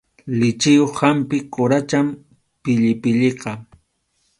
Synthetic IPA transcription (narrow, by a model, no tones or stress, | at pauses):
lɪt͡ʃɪjoχhampɪkʊɾat͡ʃam | pɪʎɪpɪʎɪqɑ